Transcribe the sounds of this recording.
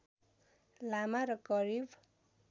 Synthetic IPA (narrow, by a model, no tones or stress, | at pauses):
lamaɾʌkʌɾib